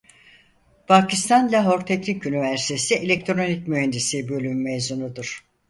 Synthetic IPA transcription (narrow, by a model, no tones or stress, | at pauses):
pʰacʰist̪ʰanlʲaɦoɾt̪ʰɛcnicynivæɾsi̥t̪ʰe̞sielʲɛc̚t̪ʰɾo̞nicmyhɛnd̪isibø̞lʲymːejzunud̪uɾ̥